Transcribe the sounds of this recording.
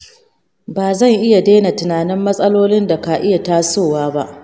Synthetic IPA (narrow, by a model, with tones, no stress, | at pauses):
baː˨zɐ˦˨ŋʔɪ˦ja˨deː˦na˨tɪ˨naː˨nɪ˦mːɐ˦sʼɐ˦loː˦lɪ˦nda˨ka˨ʔɪ˦ja˨taː˦soː˦˨waː˦ba˦ʔ